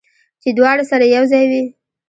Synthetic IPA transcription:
t͡ʃed̪wɑɽasaɾajawzɑjwi

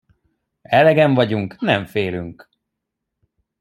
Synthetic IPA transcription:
ɛlɛɡɛɱvɒɟuŋknɛɱfeːlyŋk

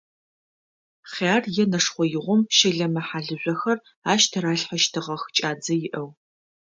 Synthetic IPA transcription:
χaːrjɛnɐʂχʷɔjɪʁʷɔmʃɪɮɐmɐħaːɮɨʑʷʼɔxɐr | aːʃtʰɐɾaːɬħɐʃtʰɨʁɐxt͡ʃʼaːd͡zɐjɪʔɐw

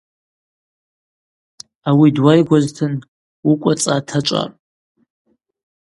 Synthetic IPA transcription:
awidwajɡʷaztʰɨn | ukʷʼat͡sʼatʰaʈ͡ʂʷʼa̰

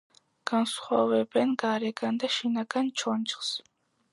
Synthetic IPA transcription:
ɡ̥ansχwavɛbɛnɡaɾɛɡand̪aʃinaɡant͡ʃʰɔnt͡ʃχs

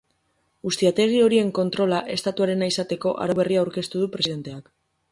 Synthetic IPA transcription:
ɡust̪iat̪e̞ɣ̞io̞ɾie̞ŋko̞nt̪ɾo̞laʔe̞st̪at̪uaɾe̞naisat̪e̞ko̞ʔa̰ɾoβ̞e̞riaːwɾke̞st̪uðupɾe̞siðe̞nt̪e̞ak

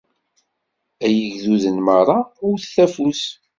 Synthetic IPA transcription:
æjəʝðuðənməɾˤɑʊɾθθæfus

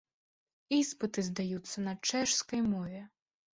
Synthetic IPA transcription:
ispɨt̪ɨzd̪ajut̪sːɐnɐt͡ʂɛʂskɐjmɔvʲɛ

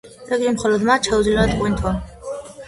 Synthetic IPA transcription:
ɾɛɡimχɔlɔd̪mat͡ʃʰauzlit̪qʼwint̪ʰwa

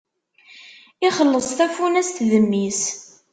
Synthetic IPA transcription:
ɪχəlːəsˤt̪æfunæst̪ðəmːis

